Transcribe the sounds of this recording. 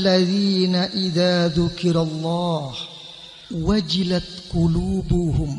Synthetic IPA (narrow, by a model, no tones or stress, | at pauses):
lːaðiːnaʔɪðaːðʊkɪɾɑlˤːɑːh | wad͡ʒɪlat̪qʊluːbʊhʊm